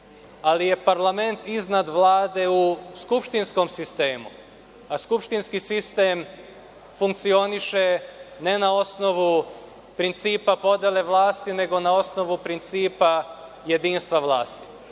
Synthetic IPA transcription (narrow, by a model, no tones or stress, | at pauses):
alije̞paɾlˠame̞nt̪iznad̪ʋlaːd̪e̞uskupʃt̪insko̞msist̪e̞ːmṵ | askupʃt̪inskisist̪e̞ːm | fuŋkt̪sio̞niʃe̞ne̞nao̞sno̞ʋu | pɾint̪siːpapo̞d̪jele̞ʋlˠaːst̪ine̞ɡo̞nao̞sno̞ʋupɾint̪siːpa | je̞d̪iːnst̪ʋaʋlˠaːst̪i̥